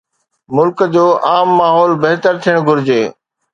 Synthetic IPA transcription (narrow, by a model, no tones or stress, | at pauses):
mʊlkd͡ʑoːʔaːmːaːɦɔːlbɐɦt̪əɾt̪ʰijəɽ̃ɡʱʊɾɪd͡ʑeː